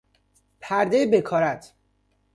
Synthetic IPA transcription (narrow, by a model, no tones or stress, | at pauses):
pʰæɾd̪ejebekʰɒːɾæt̪ʰ